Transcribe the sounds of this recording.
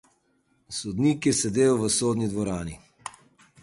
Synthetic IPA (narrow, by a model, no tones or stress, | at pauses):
sɔd̪nikjɛsɛd̪eːjɔʋəsoːd̪nid̪ʋɔɾaːni